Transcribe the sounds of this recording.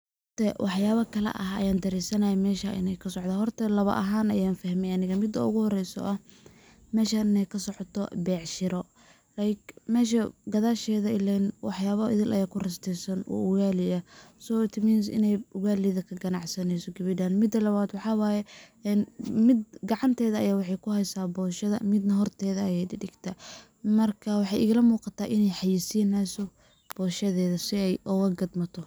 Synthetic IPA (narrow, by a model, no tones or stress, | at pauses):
h | t̪ʰɛwʔɑħjaːβɐkʰɐlɛ̰ʔɐɦɐ̰jaːnd̪ɐɾɛːsɐnɐjɛmɛːʃɐʔɪ̰nɛjkʰɐsɔʕd̪aːɦɔrt̪ʰɐlɐβɐ̰ʔɐɦaːnɐ̰jaːnfɐhmɛjɐnɪɣɐmɪd̪ːɐ̰ʊɣʊhɔrɛjsɔ̰ʔɐ | mɛːʃaɪnɛjkʰɐsɔʕɔt̪ʰɔ̰bɛːʕʃɪɾɔ | lajkmɛːʃ̬ɐɡɐðaːʃɛːðɐɪlanwɑħjaːβɐɪ̰ðɪlʔɐ̰jaːkʰʊrɐst̪ʰɛsɐnʔɔ̰ːʔʊɣaːlɪɐsɔt̪ʰmiːns̬ɪ̰nɛjʊɣaːlɪðɐkʰɐɡɐnɑʕsɐnɛjsɔɡɪβɪɖaːnmɪd̪ːɐlɐβaːd̪wɑħɑːwɑːjɛ | ɛnmɪd̪ɡɑʕɑnt̪ʰɛːðɐɐjaːwɑħɑjkʰʊhɛjsaːbɔːʃɐðɐ̰mɪd̪nɐɦɔrt̪ʰɛːðɐɐjɛjdɪɖɪɡ̥t̪ʰɐ | mɐrkʰɐwɑħɑjʔɪ̰ɣlɐmuːqɑt̪ʰaːʔɪnɛjħɑjisiːnɛsɔ | b̥ɔːʃɐðɛːðɐsɪɛjʔɔɣɐɡɐd̪mɐt̪ʰɔ